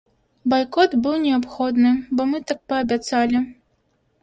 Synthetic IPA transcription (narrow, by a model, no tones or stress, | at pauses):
bajkɔt̪bɨwnʲɛapxɔd̪nɨbɔmɨt̪ak̚pɐːbʲat̪salʲi